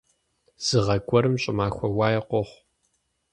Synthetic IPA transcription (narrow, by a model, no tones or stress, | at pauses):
z̥ɨʁɐɡʷʼɔɾɨmɕʼɪmaːxʷɔwaːjɛqʷɔχʷ